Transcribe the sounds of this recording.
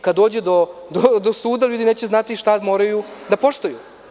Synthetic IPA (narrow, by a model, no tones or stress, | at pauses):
kad̪ːo̞ːd͡ʑed̪o̞d̪od̪o̞suːd̪aʎuːd̪ine̞ːt͡ɕeznat̪iʃt̪amo̞ːɾajud̪apo̞ʃt̪oju